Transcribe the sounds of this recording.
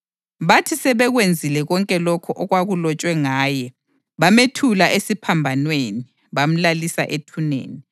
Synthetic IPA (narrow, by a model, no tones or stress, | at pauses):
βatʰisɛβɛɣwend͡zʱilɛɣɔŋkʼɛlɔkʰɔʔɔɣwaɣulɔt͡ʃʼwɛŋaːjɛ | βametʰulaʔesipʰambʱanweni | βam̩lalisa̰ʔetʰunḛːni